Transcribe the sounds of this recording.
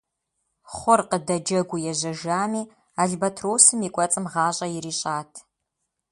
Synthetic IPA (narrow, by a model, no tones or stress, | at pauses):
χʷʊrqədɐd͡ʒɐɡʷʊjɛʑɐʒaːmiː | aːɮbɐtʰroːsɨmiːkʷʼɔt͡sʼɨmʁɑːɕʼɐjɪɾiːɕʼaːtʰ